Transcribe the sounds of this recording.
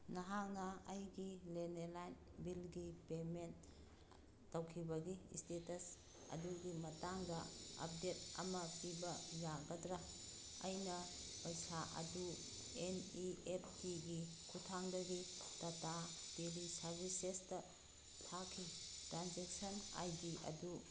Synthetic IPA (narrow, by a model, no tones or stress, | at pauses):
nɐɦak̚nɐɐjɡilenelajn | bilɡipementː | ɐwkʰibɐɡistetɐs | ɐ̰duɡimɐtaŋdɐɐ̰p̚det̚ɐ̰mɐpibɐjaɡɐtɾa | ɐjnɐ | pɐjsaʔɐ̰du | eniepʰːiɡi | kʰutʰaŋdɐɡitɐtapelisɐɾbisestɐ | tʰakʰːitɾanzek̚sɐna̰jdiʔɐ̰du